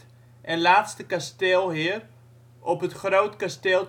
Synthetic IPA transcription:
ʔɛnlaːtstəkasteːlˠɦɪər | ɔpɦətχrowtkasteːlˠ

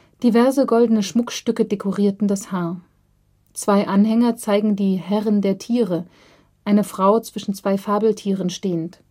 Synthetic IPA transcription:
d̥ivɛɐzəɡɔldənəʃmʊkʃtʏkədekʰoʁiːɐtn̩dashaːɐ | t͡sv̥aɪʔanhɛŋɐt͡saɪɡŋ̩diːɦɛʁəndeːɐtʰiːʁə | ʔaɪnəfʁ̥aʊt͡sv̥ɪʃn̩t͡sv̥aɪfaːbl̩tʰiːʁ̞ənʃteːənt

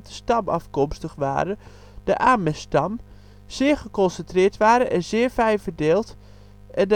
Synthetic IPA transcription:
dəstɑmɑ̰fkɔmstəxʋa̰ːɾə | d̥əʔaːmɛstɑm | z̥ɪːɹɣəkɔnsəntrɪːtʋaːɾəʔɛnzɪəɹfɛjvərdɪːlˠt | ʔɛnd

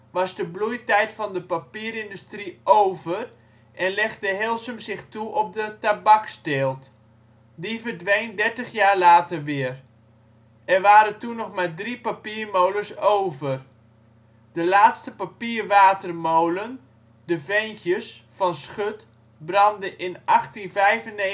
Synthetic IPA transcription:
ʋɑzdəblujtɛjtfɑndəpapiːəɾɪndustriʔowvər | ʔɛnlɛχdəɦɪlˠsəmzɪxtuʔɔp̚dətabɑksteːlˠt | divərdʋejndɛɹtəχjaːrlaːtərʋɪər | ɛrʋaːɾəntunːɔχmadripapiːərmowləsowvər | d̥əlaːtstəpapiːrʋaːtərmowlən | dəvejnkjəsfɑnsχøt | brɑndəʔɪnʔɑχtinvɛjvəne

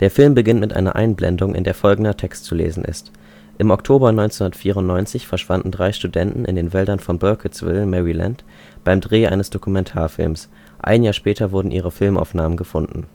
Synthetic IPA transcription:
d̥eːɐfɪlmbəɡɪntmɪtʔa̰ɪnɐ̰ʔa̰ɪnblɛ̰ndʊŋʔɪ̰ndeːɐfɔlɡŋ̩dɐtʰɛkstt͡sulḛːzn̩ʔɪ̰st | ʔɪmɔktʰoːbɐnɔʏnt͡sɛnʊndɐtfiːʁʊntnɔʏnt͡sɪçfɛɐʃv̥andn̩dʁaɪʃtudɛntn̩ʔɪ̰ndeːnvɛldɐnfɔnbœɐkʰəsv̥ɪ̰lmɛʁila̰nt | b̥aɪmdʁeːʔa̰ɪnəsd̥okumɛntʰaːɐfɪ̰lms | ʔa̰ɪnjaːɐʃpɛːtʰɐvʊɐdn̩ʔiːʁ̞əfɪlma̰ʊfnaːmənɡəfʊndn̩

